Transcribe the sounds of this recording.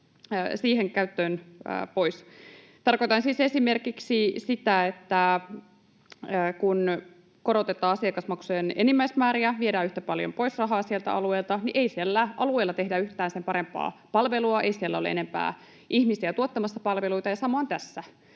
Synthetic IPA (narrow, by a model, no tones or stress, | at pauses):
siːheŋkæyt̪ːøːn̰ːpo̞is | t̪ɑrko̞it̪ɑnsiːse̞sime̞rkiksisit̪æet̪ːæ | əkun | ko̞ɾot̪et̪ːɑːɑsiɑkɑsmɑksujenenimːæismæːɾiæʋiedæːyht̪æpɑljo̞̰mpo̞isrɑɦɑːsielt̪æ̰ʔɑ̰lueːlt̪ɑniʔeisielːæʔɑlue̞ːlːɑt̪e̞hdæyht̪æːnsempɑɾempɑ̰ːpɑlʋe̞luɑʔḛisielːæolḛḛne̞mpæ̰ː | ʔihmisiɑt̪uot̪ːɑmɑsːɑpɑlʋeluit̪ɑjɑsɑmoɑnt̪æsːæ